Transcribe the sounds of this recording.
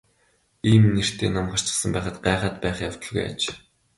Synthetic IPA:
iːmner̥t̪ʰeːnamɢar̥t͡ɕə̥̆sə̆mpæːχə̆t̪ɢæːχaːt̪pæːχjaw̥t̪ə̆ɮɣṵja̰t͡ɕ

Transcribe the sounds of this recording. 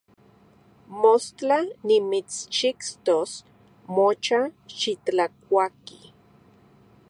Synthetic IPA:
most͡ɬanimit͡st͡ʃikst̪os | mot͡ʃaʃit͡ɬak̚ʷaki

